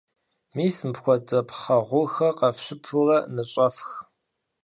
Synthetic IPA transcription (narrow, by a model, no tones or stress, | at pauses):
miːsmpxʷɔt͡sʼɐpʰχɐʁʷʊxɐqɐfɕɪpʰʊrɐnɨɕʼɐfx